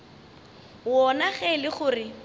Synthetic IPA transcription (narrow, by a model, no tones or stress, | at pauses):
wɔnaχɛlɪχʊːrɪ